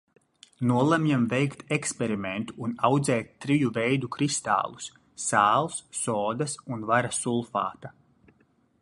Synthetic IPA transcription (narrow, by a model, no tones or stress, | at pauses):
nuɔlˠamjamvɛjkt̪ekspʲɛɾiment̪u̥ːnawd̪zɛːt̪ːɾijuvɛjd̪ukɾist̪a̰ːlˠu̥sː | aːlˠsːɔːd̪ɐsunvaɾasulˠfa̰ːt̪a